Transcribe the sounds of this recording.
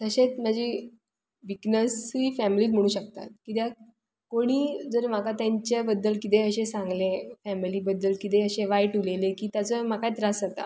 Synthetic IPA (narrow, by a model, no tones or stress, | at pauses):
t̪əɕet͡sm̤ad͡ʑi | ʋiknəsiːfæmiliːt̪m̤əɽ̃uːɕək̚t̪a̰t̪̚kit̪ja | koɽ̃iːd͡zəɾm̤akat̪jaɲt͡ɕabəd̪ːəlkit̪̬eəɕẽsãŋɡlefæmiliːbəd̪ːəlkit̪eəɕẽʋajʈulelekiːt̪jat͡səmakajt̪ɾasat̪a̰